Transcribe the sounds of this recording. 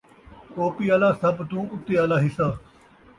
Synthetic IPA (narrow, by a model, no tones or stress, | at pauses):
koːpiːaːlaːsəbt̪ũːʊt̪ːeːaːlaːɦɪsaː